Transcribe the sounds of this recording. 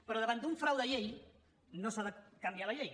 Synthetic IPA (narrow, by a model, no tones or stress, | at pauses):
pəɾɔðəβand̪uɱfɾawðəʎej | nosaðəkambjialəʎej